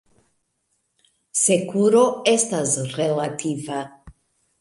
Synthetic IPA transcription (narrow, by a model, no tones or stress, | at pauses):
se̞kuɾo̞e̞stasɾelatʰiva